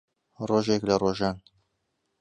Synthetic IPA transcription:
roːʒeklɐroʒɑːn

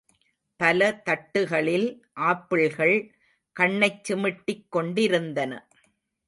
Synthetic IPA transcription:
pɐlɐt̪ɐʈːɯɣɐɭɪl | ʔaːpːɪɭɣɐɭ | kɐɳːɐɪt͡ʃːɪmɪʈːɪkːɔɳɖɪɾɯnd̪ɐnɐ̰

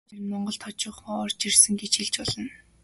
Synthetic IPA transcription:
ermɔɴɢɞ̆ɬt̪ʰɔt͡ɕʊːχɔːɔrt͡ɕirsɘ̆ŋɡet͡ɕxiɮt͡ɕɔɮɞ̆n

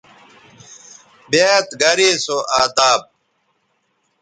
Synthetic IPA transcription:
bjet̪ɡɐɾeːsoʔaːt̪aːp̚

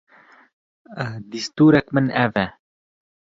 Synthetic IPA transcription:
d̪ist̪uɾakmənɛvɛ

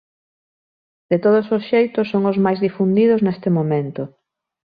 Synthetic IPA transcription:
d̪et̪oð̞ososʃejt̪ʊsːoŋʊzmajzðifund̪iðʊznest̪ɪmomẽnt̪o

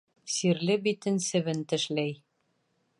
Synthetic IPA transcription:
siɾlɘbit̪ɘ̆nsɘ̆βɘnt̪ɘ̆ʃlæj

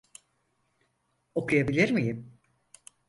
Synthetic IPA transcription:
o̞kʰujabilʲiɾmijim

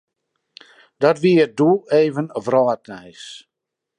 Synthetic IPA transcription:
d̥ɔtʋiədueːvənəvrɔət̚nɛjs

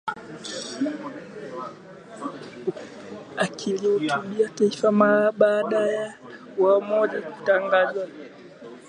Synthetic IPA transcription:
akʰilihutuɓiataifamaɓaːɗaja | wamɔʄaku̥taŋɡaza

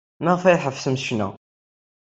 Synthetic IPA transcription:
nəʁfæjħəfsəmsʃnæ̰

